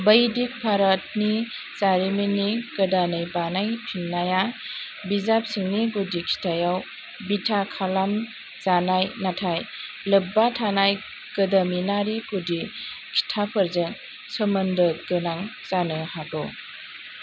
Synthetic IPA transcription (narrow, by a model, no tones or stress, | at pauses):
bəjdik̚bʰʱaɾat̚ni | t͡ʃaɾiminikɯdanɯjbanajpʰinːaja | bizap̚siŋniɡudikʰi̥tʰajaw | bitʰakʰalam | zanajnatʰaj | lɯbatʰanaj | kɯdaminaɾiɡudi | kʰi̥tʰapʰəɾzeŋ | səmɐndəɡɯnaŋt͡ʃanɯhaɡɔw